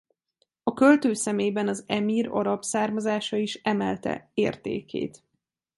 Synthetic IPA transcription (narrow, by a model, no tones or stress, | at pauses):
ɒkølt̪øːsɛmeːbɛnɒzɛmiːɾo̰ɾɒpsaːrmɒzaːʃɒiʃɛmɛlt̪ɛ̰eːrt̪ḛːkʰḛːt̪